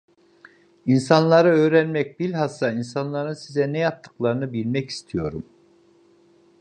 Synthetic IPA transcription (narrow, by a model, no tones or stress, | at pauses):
insanlˠaɾɯøːɾænmɛc̚bilʲɦasːainsanlˠaɾɯnsizɛnɛjap̚t̪ʰːɯ̥klˠaɾɯnɯbilʲmɛci̥st̪ʰijo̞ɾum